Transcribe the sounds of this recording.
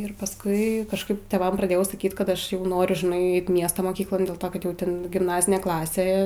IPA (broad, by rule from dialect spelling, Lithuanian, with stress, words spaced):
ɪr pɐsˈkʊɪ kɐʃˈkɐɪp tʲeːˈʋɐm prɐˈdʲeːjɛʊ sɐˈkʲiːt ˈkɐt ˈɐʃ ˈjɛʊ ˈnoːrʲʊ ʒʲɪˈnɐɪ ˈɛɪt ˈmʲiɛstoː moːˈkʲiːklˠoːn dʲeːlˠ ˈtoː kɐt ˈjɛʊ ˈtʲɛn ɡʲɪmˈnɑːzʲɪnʲeː ˈklˠɑːsʲeː